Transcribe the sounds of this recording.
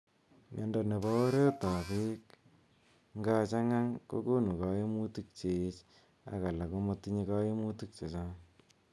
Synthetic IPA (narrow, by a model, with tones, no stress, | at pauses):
mɛ̰˨˦nda˨ne˨ba˦o˦ɾe˦ta˨pe˦k | ŋɡa˧t͡ʃa˦ŋa˦ŋko̰˦ko˦nu˨ka˨˦je˦mu˦tu˦k̚t͡ʃe˨t͡ʃ | a̰˦ka˨la˨ko˦mo˦tːi˦ɲi˦ka˦je˦mu˦tu˦k̚t͡ʃe˨t͡ʃa˦ŋ